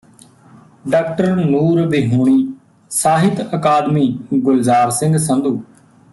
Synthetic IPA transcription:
ɖaːkʈəɾnuːɾbiɦuːɳ̃iː | saːɦɪt̪əkaːd̪miːɡʊlzaːɾsɪ̃ŋɡsə̃nd̪uː

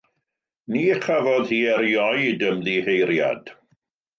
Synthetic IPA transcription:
niːχavɔðhiːɛɾjɔjdəmðihejɾja̰d̥

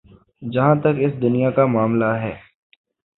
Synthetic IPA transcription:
d͡ʒɐɦãt̪ɐkɪsd̪ʊnijakamaːmlaɦɛː

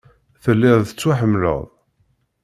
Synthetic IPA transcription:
θəlːɪðˤθət͡sːwaħəmːlə̰ðˤ

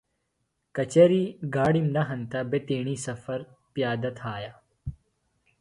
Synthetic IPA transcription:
kɐt͡ʃɐɾiːɡaːɽimnɐɦɐnt̪ɐbet̪eːɳiːsɐfɐɾ | pjaːd̪ɐt̪ʰaːja

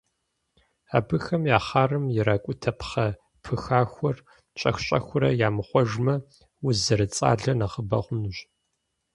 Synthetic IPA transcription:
a̰ːbɨxɐmjaːχaːrɨmjɪɾakʷʼʊtʰɐpχɐ | pʰɨxaːxʷɔr | t͡ʃʼɐ̰xʷɕʼɐ̰xʷʊɾɐ̰jaːmɨχʷɔʒmɐ | wʊzɐɾɨt͡sʼa̰ːɮɐnɐχəbɐ̰χʷʊnʒ

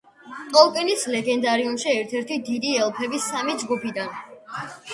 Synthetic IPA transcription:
t̪ʼɔlˠkʼɛnislɛɡɛnd̪aɾiumʃiɛɾt̪ʰɛɾt̪ʰid̪id̪iɛlˠpʰɛbisamid͡ʒɡupʰid̪an

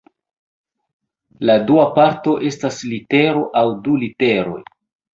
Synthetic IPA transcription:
laduapaɾto̞ʔe̞staslite̞ɾo̞ʔawdulite̞ɾo̞̰j

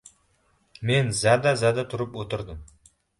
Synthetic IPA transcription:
me̞nzad̪azad̪at̪ʰʊɾəpwot̪əɾd̪əm

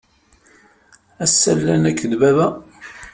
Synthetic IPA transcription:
æsːælːænækːðbævæ

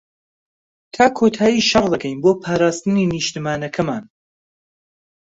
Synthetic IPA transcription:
t̪ʰaːkʰoːt̪ʰaːjiːʃɐɾd̪ɐkʰɛjnboːpʰaːɾaːst̪ɨniniʃt̪ɨmaːnɐkʰɐmaːn

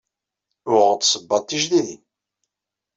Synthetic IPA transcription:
ʊʁət̪səbːɑt̪ːiʒðiðin

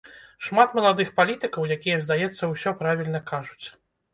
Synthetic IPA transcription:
ʂmat̪mɐlˠad̪ɨxpalʲit̪ɨkɐwjakʲijɐzd̪ajɛt̪sːɐwsʲɔpɾavʲilʲnɐkaʐut͡sʲ

